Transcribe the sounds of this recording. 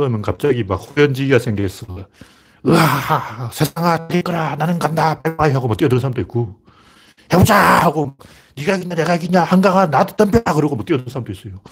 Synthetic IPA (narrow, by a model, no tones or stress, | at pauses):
kɯɾʌmjʌnkap̚t͡ɕ͈aɡimak̚hojʌnd͡ʑiiɡasʰeŋɡes͈ʌ | ɯaasʰe̞sʰaŋaaɡeɭk͈ɯɾananɯnɡandapaɭmaŋaiɦaɡomʌkt͈ijʌdɯɾɯnsʰaɾamt͈oit̚k͈o | hebod͡ʑahaɡomak | niɡaekiɲaneɡaekiɲahaŋɡaŋanadɯ̥t͈anpʰjeakɯɾʌɡomʌt͈ijʌdɯɯnsʰaɾamt͈ois͈ʌjo